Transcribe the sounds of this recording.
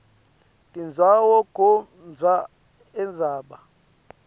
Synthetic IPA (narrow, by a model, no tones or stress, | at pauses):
tʼind͡zʱwawɔɡ̥ʱɔ | nd͡zʱwa | ɛnd͡zʱaːɓa